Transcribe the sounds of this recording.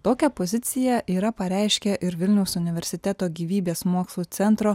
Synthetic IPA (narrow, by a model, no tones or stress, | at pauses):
t̪oːkʲɛpozʲɪt̪sʲɪjɛʔiːɾɐpɐɾʲæɪʃʲkʲɛʔɪɾʋʲɪlʲnʲɛʊsʊnʲɪʋʲɛɾʲsʲɪt̪ʲɛt̪oːɡʲiːʋʲiːbʲeːsmuːkslˠuːt̪sʲɛnt̪ɾoː